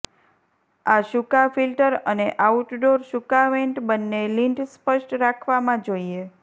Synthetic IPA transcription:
aʃukafilʈəɾəneʔauʈɖoɾʃukaʋẽɳʈbənːeliɳʈspəʃʈɾakʰʋamãd͡ʒoie

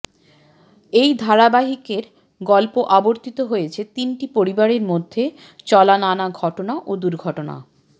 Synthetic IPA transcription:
ejd̪ʱaɾabaɦikeɾ | ɡɔlpoʔaboɾt̪it̪oɦojet͡ɕʰet̪inʈipoɾibaɾeɾmod̪ʱːe | t͡ɕɔlananaɡʱɔʈonaʔod̪uɾɡʱɔʈona̰

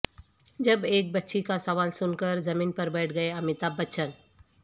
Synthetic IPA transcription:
d͡ʒɐbeːk̚bɐtːʃikasɐʋaːlsʊnkəɾzɐmĩːnpɐɾbɛːʈʰɡɐeɐmɪt̪aːbɐtːʃən

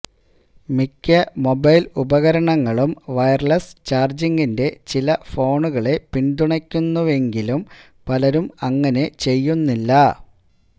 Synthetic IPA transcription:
mikʲːɐmo̞bɐjlubɐɣɐɾɐɳɐŋːɐɭumʋɐjɐrɭɐst͡ɕaːrd͡ʑiŋɡinde̞t͡ɕilɐfo̞ːɳuɣɐɭe̞piɳd̪uɳɐkʲːunːuʋe̞ŋɡilum | pɐlɐɾumɐŋːɐne̞t͡ɕe̞jːunːilːɐ

